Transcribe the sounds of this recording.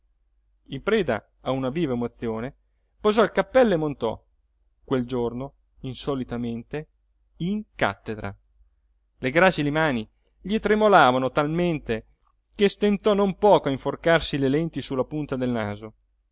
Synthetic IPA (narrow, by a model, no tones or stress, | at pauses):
impɾɛːd̪a̰ | aunaviːvaemot̪sːjoːne | pozɔilkapːɛlːoemːont̪ɔ̰ | kweld͡ʒorno | insɔlit̪ament̪e | iŋka̰t̪ːed̪ɾa̰ | leɡɾat͡ʃilemaːni | ʎiet̪ɾemolaːvanot̪alment̪e | kest̪ent̪ɔnompɔːkoaiɱforkarsilelɛnt̪isulːapunt̪ad̪elnaːzo